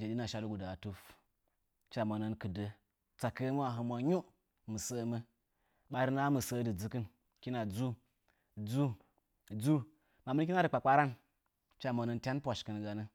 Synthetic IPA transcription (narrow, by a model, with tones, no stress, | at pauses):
d͡ʒe˨ɗi˦na˨ʃa˦lu˦ɡu˨da˨tu˦f | t͡ʃa˨mə˨nə˦nkɨ˨də˦ | t͡sa˨kə˦m˦wa˨ɦə˧mʷa˨ɲu˦ | mɨ˨sə˦mə˦ | ɓa˨˦ɾi˦na˦mɨ˨sə˦dɨ˨d͡zɨ˦kɨ˦n | kʲi˦na˨d͡zu˦ | d͡zu˦ | d͡zu˦ | ma˨mə˦nk̬ʲi˦na˦dɨ˨k͡pa˨k͡pa˦ɾa˦n | t͡ʃa˦mə˨nə˧ntʲa˦npʷa˨ʃkɨ˨n˨ɡa˨nə˦